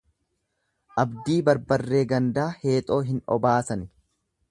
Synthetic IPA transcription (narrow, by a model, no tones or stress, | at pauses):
ʔɐbd̪iːbɐɾbɐrːe̞ːɡɐnd̪aːhe̞ːt̪ʼo̞ːɦɪnɔ̰baːsɐn